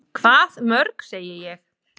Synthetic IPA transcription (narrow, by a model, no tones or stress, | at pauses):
kʰvaːðmœɾkseːjɪjɛx